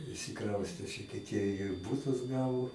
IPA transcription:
ɪʃʲsʲɪˈkrɐʊsʲtʲeː ˈʃʲɪtʲɪ tʲiɛ ɪr ˈbʊtʊs ˈɡɑːʋoː

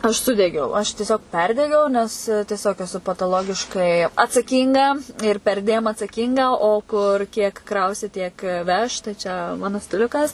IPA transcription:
ɐʃ ˈsʊdʲɛɡʲɛʊ ɐʃ tʲiɛˈsʲoːk ˈpʲɛrʲdʲɛɡʲɛʊ nʲɛs tʲiɛˈsʲoːk ɛˈsʊ pɐtɐˈlˠoːɡʲɪʃkɐɪ ɐtsɐˈkʲiːŋɡɐ ɪr pʲɛrʲˈdʲeːm ɐtsɐˈkʲiːŋɡɐ oː ˈkʊr kʲiɛk ˈkrɐʊsʲɪ tʲiɛk ˈʋʲɛʃ tɐɪ t͡ʃʲɛ ˈmɑːnʊ sʲtʲɪˈlʲʊkɐs

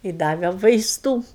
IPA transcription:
ˈjɪ ˈdɑːʋʲɛ ʋɐɪsˈtuː

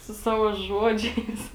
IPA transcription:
sʊ ˈsɑːʋoː ˈʒuɔd͡ʒʲɛɪs

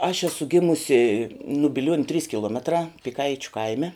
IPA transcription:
ɐʃ ˈæːsʊ ˈɡʲɪmʊsʲɪ nʊ bʲɪˈlʲuɔnʲʊ tʲrʲiːs kʲɪˈlˠuɔmʲɛtrɑː pʲɪˈkɐɪt͡ʃʲʊ ˈkɐɪmʲɛ

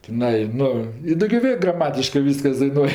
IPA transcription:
tʲɪˈnɐɪ ˈnʊ ɪ ˈdoːɡʲoː ˈʋʲeː ɡrɐˈmɑːtʲɪʃkɜ ˈʋʲiːskɐs dɐɪˈnuɔj

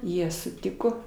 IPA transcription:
ˈjiɛ sʊˈtʲɪkoː

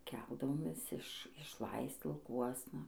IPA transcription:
ˈkʲɛlˠdɐʋoːmʲeːs ɪʃ ɪʃˈlˠɐɪst͡s lˠɐʊˈkuɔsnɐ

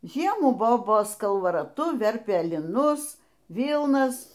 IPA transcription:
ˈʒʲiɛmuː ˈboːboːs kɐlˠʋɐrɐˈtʊ ˈʋʲɛrʲpʲeː lʲɪˈnʊs ˈʋʲiːlˠnɐs

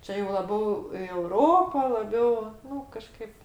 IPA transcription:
ˈt͡ʃʲɛ jɛʊ lˠɐˈbʲɛʊ ɪ ɛʊˈroːpoː lˠɐˈbʲɛʊ ˈnʊ kɐˈʃkɐɪp

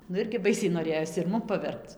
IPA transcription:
nʊ ˈɪrʲɡʲɪ ˈbɐɪsʲɛɪ noːˈrʲeːjoːs ɪr ˈmʊm pɐˈʋʲɛrpt͡s

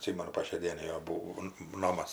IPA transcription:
ɐtʲˈsʲɪmʲɛnʊ poː ʃʲɛɪ ˈdʲiɛnɐɪ ˈjoː buːoː ˈnoːmɐs

